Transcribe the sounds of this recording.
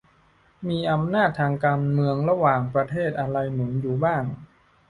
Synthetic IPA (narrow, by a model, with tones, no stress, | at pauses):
miː˧ʔa˧mnaː˥˩t̪ʰːaː˧ŋkaː˧nmɯ˧əŋɾa˧waː˨˩ŋpɾa˧t̪ʰeː˥˩t̪̚ʔa˧ɾa˧jnɯ˩˦ŋjuː˨˩baː˥˩ŋ